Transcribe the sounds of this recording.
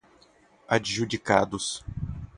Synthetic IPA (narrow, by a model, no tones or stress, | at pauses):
ad͡ʒʒudika̰d̪ʊs